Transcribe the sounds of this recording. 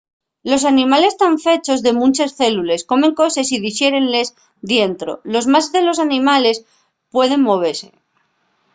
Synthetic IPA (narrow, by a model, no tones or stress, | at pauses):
lo̞s̬anĩmale̞st̪aɱfe̞t͡ʃo̞zðe̞mũnt͡ʃesθe̞lule̞sko̞mẽ̞ŋko̞sesið̞iʃje̞ɾe̞nle̞z | ðje̞nt̪ɾo̞̰lo̞zmazðe̞lo̞s̬anĩmale̞s | pwe̞ð̞e̞ŋmo̞β̞e̞ɾse̞̰